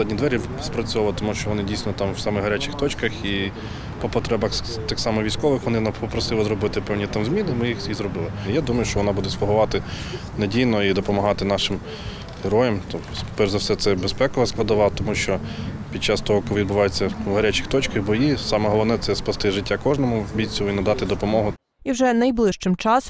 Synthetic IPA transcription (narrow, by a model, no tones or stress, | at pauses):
dʲnʲid̪ʋɛɾʲispɾɐt͡sʲʊʋɑlˠt̪ɔmuʃt͡ʃɔʋɔnɪdʲijsʲnɔt̪ɑmwsɑmɛɦɐɾʲat͡ʃɪxt̪ɔt͡ʃkɐxi | pɔpɔt̪ɾɛbɐx | t̪ɪxsɑmɔʋʲijsʲkɔʋɪxʋɔnɪnɐpɔpɾɔsɪlˠɪzɾɔbɪt̪ɪpɛwnʲit̪ɑmzmʲinɪmɪjixjizɾɔbɪlˠɪjad̪umɐjʊʃt͡ʃɔʋɔnɑbud̪ɛspɔɦʊʋɑt̪ɪ | nedʲijnɔid̪ɔpɔmɐɦɑt̪ɪnɑʃɪm | hɪɾɔjɛmt̪ɔpɛɾzɐwsɛt̪sɛbespɛkɔʋɐsklˠɐd̪ɐʋɑt̪ɔmuʃt͡ʃɔ | pʲid̪̚t͡ʃɑst̪ɔɦɔkʋʲid̪̚bʊʋɑjet͡sʲːɐɐɾʲɛt͡ʃɪ̥xt̪ɔt͡ʃkɪɣbɔjisɑmɛɦɔlˠɔwnɛt̪sɛspɐst̪ɪʒɪtʲːakɔʒnɔmʊbʲit͡sʲːɔʊinɐd̪ɑt̪ɪd̪ɔpɔmɔɦʊ | iwʒɛnɐjblˠɪʃt͡ʃɪmt͡ʃɑs